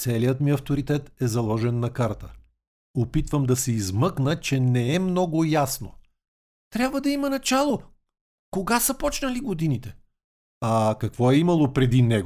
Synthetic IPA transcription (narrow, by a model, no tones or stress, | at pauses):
t̪sɛlijət̪miɐft̪oɾit̪ɛt̪ɛzɐlˠɔʒɛnːɐkaɾt̪ə | opit̪vəmd̪ɐsɛizmɤknət͡ʃɛnɛɛmnɔɡʊjasno | t̪ɾʲjabvəd̪ɐimɐnɐt͡ʃalˠo | koɡasɐpɔt͡ʃnəliɡod̪init̪ɛ | ɐkɐkvɔɛimɐlˠopɾɛd̪inɛɡo